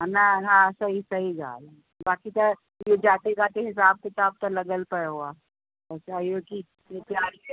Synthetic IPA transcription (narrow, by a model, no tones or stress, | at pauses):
naɦãsɐɦisɐɦiɡa̰ːl | baːkit̪ɐ | jod͡ʒaːt̪eɡaːt̪eɦɪs̬aːb̚ket͡ʃaːb̚t̪ɐlɐɡəlpəɾɦuaː | ɛsajoːki | et̪ɪaːɾ